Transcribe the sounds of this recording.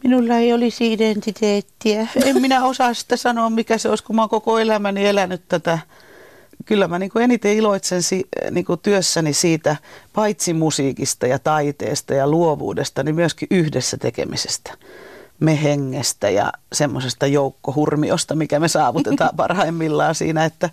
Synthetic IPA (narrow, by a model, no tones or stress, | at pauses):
minulːɑeiolisiident̪it̪eːt̪ːiæemminæosɑːssi̥t̪ːesɑnoːmmikæseoiskumɑŋkokoelæmænielænyt̪t̪æt̪æ | kylːæmæniːŋkuenit̪eiloit̪sensiniːŋkut̪yøsːænisiːt̪æpɑit̪simusiːkist̪ɑjɑt̪ɑit̪ḛːst̪ɑjɑluoʋṵːdest̪ɑnimyøskiʔyhdesːæt̪ḛkḛmise̥st̪æ̥meheŋːest̪æ̰jɑ̰semːosest̪ɑjoukːohurmio̰st̪ɑmikæmesɑːʋut̪et̪ɑːpɑ̰rhɑimːilːɑːsḭːnæet̪ːæ